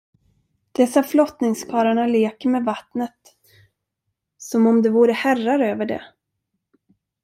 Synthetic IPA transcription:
d̪̥ɛsːaflɔt̪nɪŋskʰɑːɾaɳaleːkəɾmɛvat̪nət̪ | sɔmɔmd̪ɛvuːɾəhærːaɾøːvəɖɛ̰

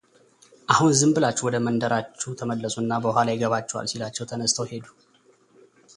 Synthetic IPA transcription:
ʔahunzɨmbɨlat͡ʃːuwɔd̪əmənd̪əɾat͡ʃːut̪ʰəməlːəsʼuɨnːabəhʷalajɪɡəβat͡ʃːɛwa̰lsilat͡ʃːɛwt̪ʰənəst̪ʰəwhe̞d̪u̥

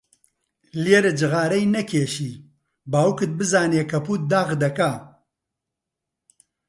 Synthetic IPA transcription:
leɾɨd͡ʒɨɣaːɾɐjnɐkʰeːʃiː | baːwkɨt̪̚bɨzaːneːkʰɐpuːt̪̚d̪aːɣd̪ɐka

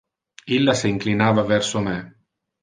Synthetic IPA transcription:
ilːasiiŋklinaːvavɛrsomɛ

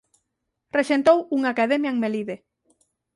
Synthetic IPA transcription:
reʃent̪owuŋakaðemjaeŋmeliðe

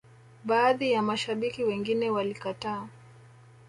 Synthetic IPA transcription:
ɓaːðijamaʃaɓikiwɛŋɡinɛwalikataː

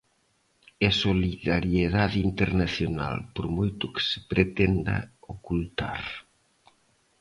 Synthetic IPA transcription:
esoliðaɾjeðaðint̪eɾnaθjona̰lpoɾmojt̪uke̥se̥pɾet̪end̪a̰okult̪a̰ɾ

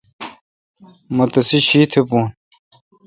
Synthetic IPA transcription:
mot̪ɐsiɕiːt̪ʰepuːn

